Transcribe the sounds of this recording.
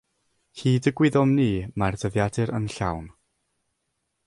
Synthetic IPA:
hiːdəɡwɪðɔmniːmardəðjadɨɾənɬa̰wn

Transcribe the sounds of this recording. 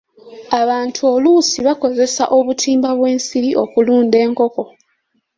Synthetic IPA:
aβaːntʰuolusiβako̞ze̞sa̰ʔo̞βutʰiːmbaβwe̞ːnsiɾiʔo̞kuluːnde̞ːŋko̞ko̞

